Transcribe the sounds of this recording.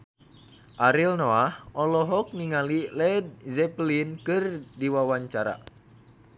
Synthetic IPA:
ʔaɾilnɔahɔlɔɦɔk̚niŋalilɛd̪̚zɛplinkɨrdiwawaɲt͡ʃaɾa̰

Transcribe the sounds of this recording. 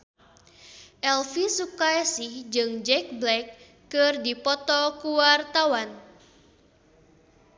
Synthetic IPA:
ʔɛlfisukajasihd͡ʒɨŋd͡ʒɛk̚blɛkː | ɨrdipɔt̪ɔkuwart̪awan

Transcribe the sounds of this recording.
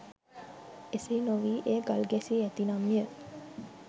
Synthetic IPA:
eseinoʋiːʔeːɡalɡæsiæt̪inamːiə

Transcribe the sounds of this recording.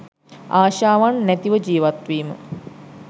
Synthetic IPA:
aːʃaːʋanːæt̪iʋəd͡ʒiːʋat̪ʋiːmə̰

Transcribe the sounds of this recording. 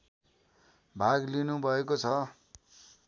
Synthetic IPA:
bʱaɡlinubʱʌekot͡sʰʌ

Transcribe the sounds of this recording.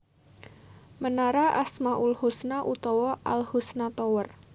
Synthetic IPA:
mənaɾaʔasmaʔulhusnaʔut̪ɔwɔʔa̰lhusnat̪ɔwər

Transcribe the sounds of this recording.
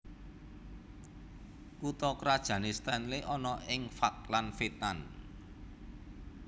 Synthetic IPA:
kut̪ɔkɾad̥ʒ̥ä̤nest̪ɛnleʔɔnɔʔɪŋfak̚lanfet̪an

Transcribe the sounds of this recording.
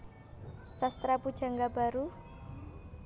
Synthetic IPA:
sast̪ɾapud̥ʒ̥a̤ŋɡab̥a̤ɾu

